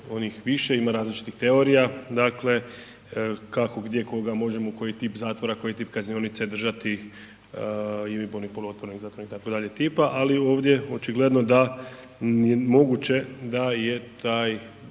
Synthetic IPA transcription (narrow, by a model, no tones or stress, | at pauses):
o̞nixʋiʃe̞imaɾaːzlit͡ʃi̥t̪ixt̪e̞o̞ɾijad̪akle̞ | kako̞ɡd̪je̞ko̞ɡamo̞ʒe̞moko̞jit̪ipzaːt̪ʋo̞ɾako̞jit̪iːpkaznio̞nit̪sed̪r̩ʒat̪i | imiponixpulˠuo̞t̪ʋoɾenixzaːt̪oɾniht̪akod̪aʎe̞t̪iːpaʔalio̞ːʋd̪ʲje̞o̞t͡ʃiɡled̪no̞d̪a | emo̞ɡut͡ɕe̞d̪aje̞t̪aːj